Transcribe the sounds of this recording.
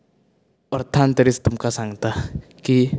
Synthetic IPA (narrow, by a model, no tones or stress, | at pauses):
ɔrt̪ʰant̪eɾist̪umkasaŋt̪ahki